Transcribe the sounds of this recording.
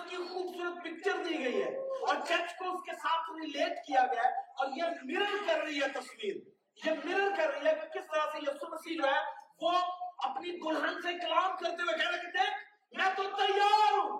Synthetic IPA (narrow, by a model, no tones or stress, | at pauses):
kixuːbsuːɾət̪̚pɪk̚t͡ʃəɾd̪iɡɐiɦɛ̰ːɔːɾt͡ʃɛt͡ʃkoʊskesaːt̪ʰɾɪleːʈkijaɡɐjaɔːɾjemɪɾəɾkɐɾːɐɦiɦɛt̪ɐswiːɾ | jemɪɾəɾkɐɾːəɦiɦɛkkɪst̪əɾased͡ʒɐbsəməsiːlɦɛʋoɐpnibʊlənseklaːmkɐɾt̪ewẽkɛɾekid̪eːk̚ʰ | mɛ̃ːt̪ot̪əjaːɾaɾũː